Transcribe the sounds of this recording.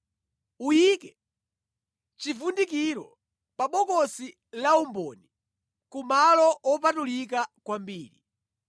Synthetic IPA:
ujiːkɛ | t͡ʃifundik̬iɾɔ | paɓɔkɔsi | laumbɔni | kumalɔɔp̬atulik̬akwambiːɾi

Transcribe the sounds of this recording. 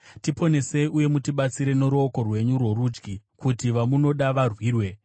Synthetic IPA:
tipo̞ne̞se̞iuje̞mutiɓat͡siɾe̞no̞ɾoːko̞rwe̞ɲurwo̞rud͡ʒɡikutiʋamuno̞ɗaʋarwiːrwe̞

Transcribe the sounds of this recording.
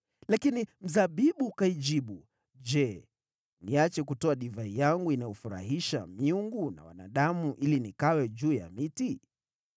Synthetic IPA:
lakinim̩zaɓiɓukaid͡ʒiɓu | d͡ʒɛ | niat͡ʃɛkutɔaɗivaijaŋɡuinajɔfuɾa̰hiʃamiuŋɡuna̰wa̰na̰ɗamuʔilinikawɛʄuːja̰miti

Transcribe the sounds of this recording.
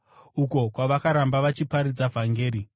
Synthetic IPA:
uko̞kwaʋakaɾambaʋat͡ʃipaɾid͡zavʱaŋɡe̞ːɾi

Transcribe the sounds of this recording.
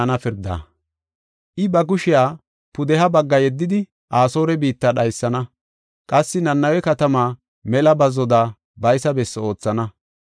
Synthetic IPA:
nɐfɪɾd̪a̰ː | ʔɪbɐɡʊʃɪjaː | pʊd̪ɛɦɐbɐɡːɐjɛd̪ːɪd̪ɪ | ʔaːso̞ːɾɛbiːt̪ːɐɗɐjsːɐnɐ | kʼɐsːɪnɐnːɐwɛkɐt̪ɐmaː | mɛlɐbɐzɔd̪aː | bɐjsɐbɛsːo̞ːt͡sːɐnɐ

